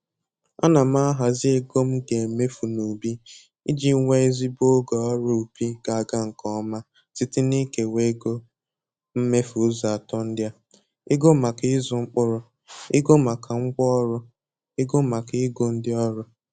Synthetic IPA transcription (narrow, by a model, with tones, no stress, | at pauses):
a˦na˨m̩˦a˦ɦa˨zɪ˦e˦ɡo˦m̩˦ɡe˨me˦fu˨no˨bi˦ | i˦d͡ʒi˦ŋʷe˦e˦zi˦bo˦ɡɔ˨ɔ˦ɾʊ˦u˨pi˦ka˨a˨ɡa˦ŋ̩˨kɔ˦ma˦ | ti˦ti˦ni˦ke˨we˦ɡo˦ | m̩˦me˦fu˨˦za˨a˨tɔ˦n̩˦dja˦ | e˦ɡo˦ma˨kɪ˦ɪ˦zʊ˨ŋ͡m̩˦k͡pʊ˦ɾʊ˦ | e˦ɡo˦ma˨kʰa˨ŋ͡m̩˦ɡʷɔ˦ɔ˦ɾʊ˦ | e˦ɡo˦ma˨kɪ˦ɡo˦n̩˦dɪ˦ɔ˦ɾʊ˦